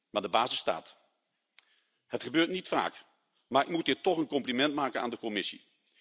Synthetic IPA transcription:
maːdəbaːzɪsta̰ːt | hətχəbøːɹtnitfa̰ːk | maːɹɪk̚mutiːtɔχənkɔmplimɛntmaːkəna̰ːndəkɔmɪsḭ

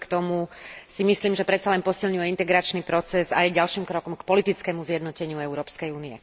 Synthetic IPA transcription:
kt̪ɔmusimisliːmʒɛpɾɛt̪t͡salɛnpɔsilɲujɛint̪ɛɡɾat͡ʃnipɾɔt͡sɛzajɟalʃiːmkɾɔkɔmkpɔlit̪it͡skɛmuzjɛd̪nɔcɛɲɪuɛʊɾɔːpskɛjuːniɛ

